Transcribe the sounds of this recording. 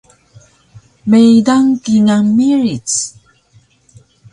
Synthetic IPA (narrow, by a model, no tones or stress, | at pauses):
mejdaŋkiŋamiɹit͡s